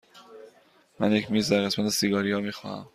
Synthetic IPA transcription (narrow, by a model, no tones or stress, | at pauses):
mæ̰njecʰmiːzd̪æɾɣe̞smæt̪ʰe̞siɡɒːɾijɒːmiːxɒ̰ːhæ̰m